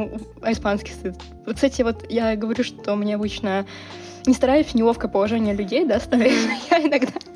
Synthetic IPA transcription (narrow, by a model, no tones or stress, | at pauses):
uɐɪspanskʲɪ̥st̪ɨt̪ | t̪sɛtʲɪvo̞t̪jaɡəvɐɾʲuʂt̪o̞mnʲeɐbɨt͡ɕnə | nʲɪst̪ɐɾajʊsʲnʲɪlˠo̞fkəpəlˠɐʐɛnʲɪjəlʲʉdʲejd̪ast̪ɐɾajʊsʲjaɪnɐɡd̪a